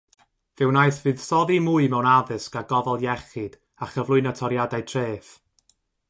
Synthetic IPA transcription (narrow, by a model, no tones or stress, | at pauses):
vɪwnajθvɨːð̥sɔðimuɨmɛwnaðɨskaɡɔvɔlˠjɛχɨd̥ | aχəvlˠʊɨnatʰɔɾjadajtʰreːθ